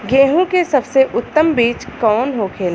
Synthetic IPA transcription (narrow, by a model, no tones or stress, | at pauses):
ɡẽːɦũkesɐbseʔʊt̪ːəmbiːt͡ʃkɔːnɦoːkʰeːl